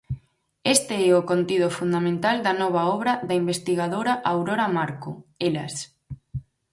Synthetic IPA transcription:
est̪eɛokont̪iðʊfund̪amẽnt̪ald̪ɐnɔβ̞aɔβɾɐðaimbest̪iɣað̞oɾaʔawɾoɾamaɾkoela̰s

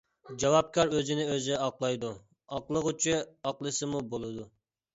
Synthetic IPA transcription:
d͡ʒɑwɑp̚kʲʰɑɾøzɪnɪøzɪɑqlˠɑjd̪u | ɑqlˠəʁʊt͡ʃʰyɑqlˠɨsɨmubolˠɨd̪u

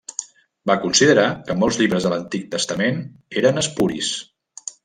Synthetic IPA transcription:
bakunsiðəɾakəmɔlˠzʎiβɾəzðələnt̪ik̚t̪əst̪əmeneɾənəspuɾḭs

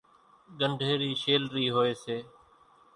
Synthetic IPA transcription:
ɠəɳɖʱeːɾiːʃeːlɾəiːɦoːeːseː

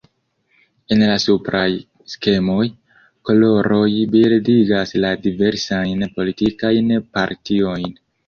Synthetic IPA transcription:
e̞nlasupɾʔaj | ske̞mo̞j | ko̞lo̞ɾo̞jbildiɡasladive̞ɾsajnpo̞litikajnpaɾtio̞jn

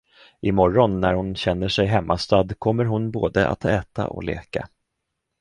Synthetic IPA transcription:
ʔɪmɔɾːɔnːæɾhʊnɕɛnːəʂɛjɦɛmːʔast̪ad̪kʰɔmːəɾɦʊnboːd̪əʔa̰t̪ʰɛːt̪a̰ʔɔ̰lḛːka̰

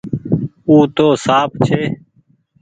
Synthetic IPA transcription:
uːt̪oːsaːpʰt͡ʃʰeː

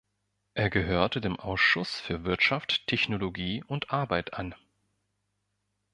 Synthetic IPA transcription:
ʔeːɐɡəɦøːɐtədeːmʔaʊsʃʊsfyːɐvɪɐtʃafttʰːɛçnoloɡiːʔʊntʔaɐbaɪtʰʔan

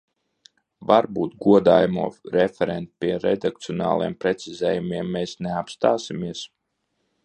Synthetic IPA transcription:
vaɾbuːt̪̚ɡuɔd̪aːjamṵɔɾefʲɛɾɛnt̪̚pʲiɛɾed̪ak̚t̪siɔna̰ːlˠijɛmpɾɛt̪sizɛːjumiɛmːeːsneapst̪aːsimiɛs

